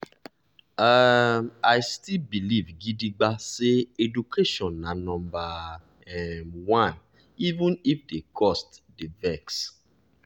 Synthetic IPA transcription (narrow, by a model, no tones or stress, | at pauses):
a | ajstilbilivɡidiɡ͡baseedukʰeʃɔ̃nːãnɔ̃mba | wãn | ivũnifdekʰɔstdevɛks